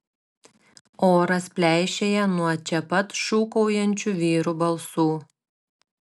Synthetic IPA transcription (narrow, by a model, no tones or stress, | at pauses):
oːɾɐspʲlʲæˑɪʃʲeːjɛnuɔt͡ʃʲɛpɐt̪ʃuːkɔʊjɛnʲt͡ʃʲuʋʲiːɾubɐlˠsuː